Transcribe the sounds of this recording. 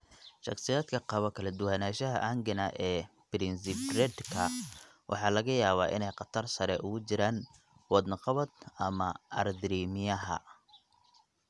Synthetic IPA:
ʃɑ̰qsɪjaːd̪kʰɐqɑβɐkʰɐlɐd̪ʊwanaːʃɐɦɐ̰ʔɐŋɡɐnɐʔɛːbɪɾɪnsɪbrɛd̪kʰɐ | wʔɑ̰ħɑːlɐɣɐjaːβaːʔɪ̰nɛjqɑt̪ʰɐrsɐɾɛʔʊɣʊt͡ʃɪɾaːn | wɑd̪nɑqɑβɐd̪ɐmɐɐ̰rd̪ɾiːmɪjɐɦɐ̰

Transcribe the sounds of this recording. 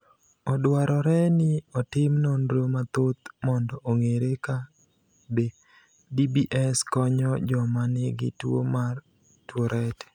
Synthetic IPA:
ɔdwaɾɔɾɛnɪɔtɪmnonɾomat̪ot̪̚mɔndɔʔoŋeɾeka | be | dibiʔɛskɔɲɔd͡ʒɔmanɪɡɪ̰two̰mar | twoɾʔɛtɛ̥

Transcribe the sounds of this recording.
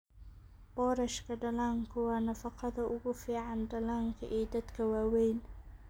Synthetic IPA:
b̥ɔːɾɐʃkʰɐɖɐlaːŋkʰʊwɑːnɐfɑqɑðɐʔʊɣʊfiːʕɑnɖɐlaːŋkʰɐʔɛːd̪ɐd̪kʰɐwaːwɛjn

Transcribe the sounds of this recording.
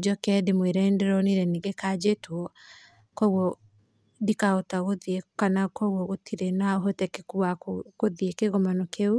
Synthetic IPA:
d͡ʒɔkɛdemweɾɛndɛɾɔniɾɛniŋɡekad͡ʒetwɔ | kɔɣwɔ | dikaotaɣoðiekanakɔɣwɔɣotʰiɾenaoɦɔtɛkekuakokoðiekeɣɔmanɔkʰeu

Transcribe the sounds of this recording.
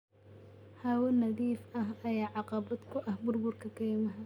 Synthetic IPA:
haːwɐnɐðiːfɐɦɐjaːʕɑqɑbɐd̪kʰʊʔɐhbʊrbʊrkʰɐkʰɛːmɐɦɐ

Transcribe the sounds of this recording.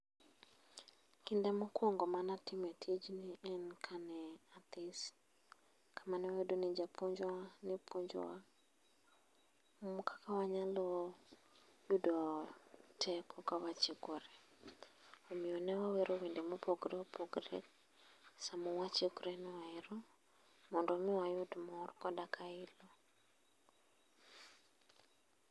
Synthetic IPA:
kindɛmokwɔŋɡɔmanatimɛtʰid͡ʒniɛnkʰanɛat̪is | kʰamanɛwedonɪd͡ʒapuɲd͡ʒɔanɪpʰuɲd͡ʒɔ̰wa | mokḁkawaɲalɔ | judɔ | tʰɛkɔkawat͡ʃikɔɾɛ | omiɔnɛwawɛɾɔwɛndɛmupɔɡɾɛpɔɡɾɛ̰ | samuwat͡ʃiukuɾeniwaiɾɔ | mondomiwajudumɔɾikɔɗakailɔ

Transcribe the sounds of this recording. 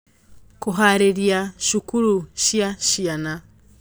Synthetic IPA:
kuɦaɾeɾjaʃukuɾuʃjaʃiana

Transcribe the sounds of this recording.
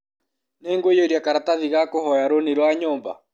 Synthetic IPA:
neːŋɡwojoiɾiakaɾataðiɣakohɔjaɾoniɾwaɲɔːmba̰

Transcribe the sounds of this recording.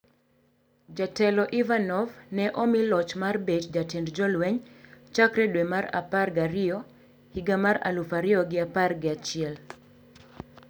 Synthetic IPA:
d͡ʒatɛlɔʔivanɔvnɛʔɔmilɔt͡ʃmarbetd͡ʒatɛndd͡ʒɔlwɛɲt͡ʃakɾɛdwɛmaɾa̰parɡaɾɪɔ | hiɡamaɾa̰lufaɾɪɔɡɪaparɡɪat͡ʃɪɛl

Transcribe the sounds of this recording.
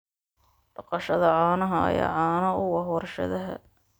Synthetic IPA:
ɖ̥ɑqɑʃɐðɐʕɑːnɐɦɐɐ̰ja̰ːʕɑːnɐʊwɑɦɔrʃɐ̰ðɐɦɐ̰

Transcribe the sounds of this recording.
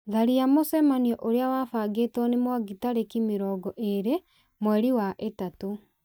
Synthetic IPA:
ðaɾiamosɛmaniɔʔoɾeawafaɡetɔnemwaɡitaɾekimeɾɔːɡɔʔeɾe | mwɛɾiwaʔetato

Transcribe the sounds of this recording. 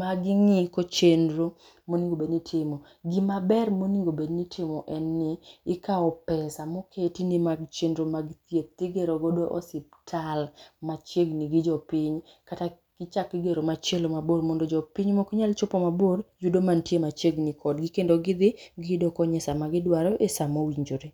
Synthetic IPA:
maɡɪŋikot͡ʃendɾo | moniŋɡobednitʰɪmo | ɡimabɛrmoniŋɡobednitʰɪmɔʔɛnːɪɪkaɔpɛsamokʰetinimaɡt͡ʃendɾomaɡt̪jep̚t̪iɡeɾoɡodoʔɔ̰sɪp̚tʰalmat͡ʃeɡniɡɪd͡ʒɔpɪɲ | kata | kɪt͡ʃakːɪɡeɾomat͡ʃelomaboɾmondod͡ʒɔpiɲmokɲalt͡ʃopomaboɾd͡ʒudomantjemat͡ʃeɡnikʰɔdɡɪkendoɡɪd̪ɪɡɪdɔkɔɲɛsamaɡɪdwaɾɔʔesamowiɲd͡ʒoɾe

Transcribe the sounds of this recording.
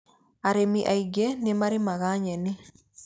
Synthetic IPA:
aɾemiʔaiɡenemaɾimaɣaɲɛni

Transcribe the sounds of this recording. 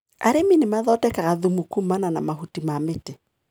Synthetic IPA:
a̰ɾeminemaðɔtɛkaɣaðumukumananamaɦutimametɛ

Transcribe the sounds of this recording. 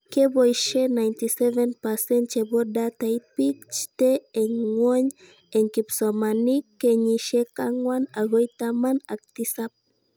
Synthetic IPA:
kebojʃenajnt̪isɛvenpasent͡ʃebod̪at̪aipik̚t͡ʃi̥t̪eeɲŋwoɲ | eŋkipsomanikːeɲiʃekaŋwanaɣojt̪amanak̚t̪isap̚

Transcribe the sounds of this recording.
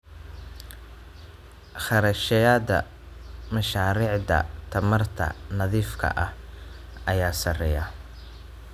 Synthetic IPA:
χɑɾɐʃɛjaːd̪ɐ̰ | mɐʃaːɾiːʕd̪ɐ̰t̪ʰɐmɐrt̪ʰɐ̰nɐðiːfkʰɐ̰ʔɐhʔɐjaːsɐrɛjɐ

